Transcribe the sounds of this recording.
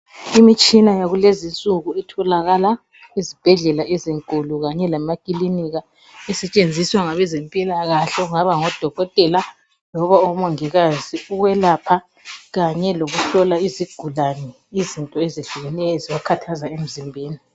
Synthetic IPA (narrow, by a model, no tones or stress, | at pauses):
imit͡ʃʼinajaɣulezint͡sʼuɣuɛtʰɔlaɣala | izib̥ʱɛɮɛlaʔeziŋkʼuluɣaɲɛlamakʼiliniɣa | ɛsɛt͡ʃʼend͡zʱiswaŋaβɛzempʼilaɣaɬɛuŋaβaŋɔd̥ʱɔɣɔtʼɛla | lɔβaɔmɔŋɛɣaziuɣwɛlapʰa | ɣaɲɛloɣuɬɔlaiziɡ̥ʱulanɛ | izintʼɔeziɮuɣɛnɛɔziβakʰatʰazaem̩zimbʱeːni